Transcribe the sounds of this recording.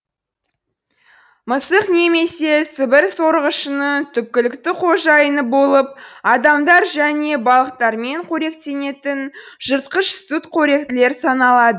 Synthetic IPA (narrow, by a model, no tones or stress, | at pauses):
məsəqne̞me̞se̞sɪbɪɾsoɾəʁəʃənət̪ʰʏp̚kʲɪlɪkt̪ɪqʰo̞ʒɑjənəbo̞lˠəp̚ɑd̪ɑmd̪ɑɾʒæne̞bɑlˠəqt̪ɑɾme̞ɴqʰɵɾe̞k̚t̪e̞ne̞t̪ɪnʒ̥əɾt̪̚qəʃsut̪qʰɵɾe̞k̚t̪ɪle̞ɾsɑnɑlˠɑd̪ə